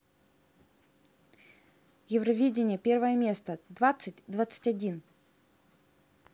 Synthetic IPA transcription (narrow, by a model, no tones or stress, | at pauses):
jɪvɾɐvʲidʲɪnʲɪjəpʲe̞rvəjəmʲe̞st̪əd̪vat̪sɨtʲd̪vat̪sɨ̥tʲɐdʲin